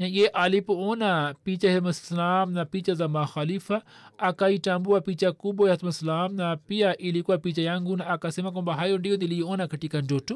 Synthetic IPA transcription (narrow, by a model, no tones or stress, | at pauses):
nãjeʔalipoːnapit͡ʃaɦemɐslaːmnapit͡ʃazamaxalifa | akaiʈambuapit͡ʃakubojɐt̪mɐslaːmnapijaʔilikuapiːt͡ʃajaŋɡunaakasimak̬õbɐɦaːjõɳɖiõnd̪iliioːnakɐʈikand͡ʒoʈu